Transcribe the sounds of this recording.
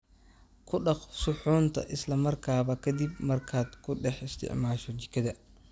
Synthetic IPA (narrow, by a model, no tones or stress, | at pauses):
kʰʊɗɑqsʊħuːnt̪ʰɐ̰ʔɪslɐmɐrkʰaːβɐkʰɐd̪ibmɐrkʰaːd̪kʰʊɗɛħɪst̪ʰɪ̰ʕmaːʃɔd͡ʒɪkɐd̪ɐ